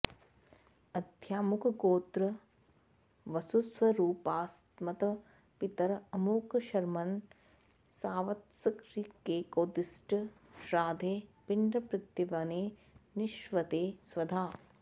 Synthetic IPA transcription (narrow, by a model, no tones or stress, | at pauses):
ɐd̪ʱjaːmukʰɐɡoːt̪ɾɐ | ʋɐsusʋɐɾuːpaːst̪mɐt̪ɐ | pit̪ɐɾɐmuːkʃɐɾmɐn | saːʋɐt̪sɐkɾikːeːkoːd̪isʈ | ʃɾaːd̪ʱeːpiɳɖɾɐpɾɪt̪jɐʋɐneː | niʃʋɐt̪eːsʋɐd̪ʱaː